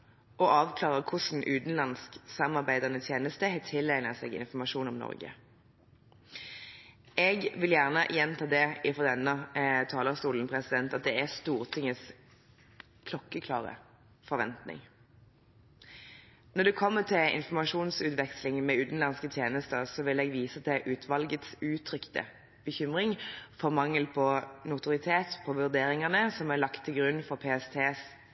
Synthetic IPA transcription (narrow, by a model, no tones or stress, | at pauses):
ɔʔɑːʋkʰlɑːʁəkʰʊsn̩ʔʉːt̪n̩lɑnsksɑmɑʁbæɪd̪əʁnət̪ʰjeːnəst̪əht̪ʰɪlːæɪnəsɛ̰ːɡɪ̰nfɔmɑʃuːnɔmnɔ̰ʁɡə̰ | ʔɛɡʋɪljæʁnəjɛnt̪ʰɑːd̪ɛɪfʁɔd̪ɛnːət̪ʰɑːləst̪uːln̩pʰʁɛsɪd̪ɛnt̪ɑt̪̚d̪ɛæst̪uːʁt̪ʰɪŋːəs | kʰlɔkːəkʰlɑ̰ːʁə̰ | fɔʁʋɛnt̪nɪ̰ŋ | nɔd̪ɛkʰɔmːət̪ʰɪlɪ̰nfɔmɑʂuːnsʉːt̪ʋɛkslɪŋmɛʉːt̪n̩lɑnskət̪ʰjeːnəst̪əʁsɔʋɪlɛːɡʋiːsət̪ʰɛʔʉːt̪ʰʋɑlɡət̪sʉːt̪ʰʁʏkt̪ə̰ | b̥əçʏmʁɪŋfɔʁmɑŋːəlpʰɔnʊt̪ʊʁɪt̪ʰeːt̪pʰɔʋʉʁd̪eːɾɪŋəʁnəsɔmæʁlɑkt̪ʰːɪlɡʁʉnːfɔʁpʰeɛst̪ʰeːs